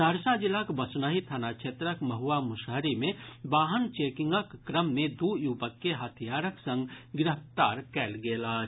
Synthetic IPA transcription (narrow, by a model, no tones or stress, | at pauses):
səɾsad͡ʒɪlːakbəsnəɦit̪ʰanakʃʰeːt̪ɾəkmɐɦuamʊʃɦəɾimẽbaːɦənt͡ʃeːkɪ̃ŋɡəkːɾəmːẽd̪ujubəkːeɦət̪ʰijaːɾəksə̃ŋɡɡɪɾəft̪aːɾkɛːlɡeːlaː